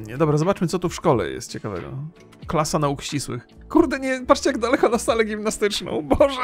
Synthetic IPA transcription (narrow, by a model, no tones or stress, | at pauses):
ɲɛd̪ɔbɾazɔbat͡ʂmɘt̪sɔt̪ufʂkɔlɛ̰jɛ̰st̪̚t͡ɕɛkavɛ̰ɡɔ̰ | klasanaukɕt͡ɕiswɘ̰x | kuɾd̪ɛɲɛpatt͡ʂʂt͡ɕɛjaɡd̪alɛkɔnast̪alɛɡʲimnast̪ɘt͡ʂnɔ̰̃w̃bɔʐɛ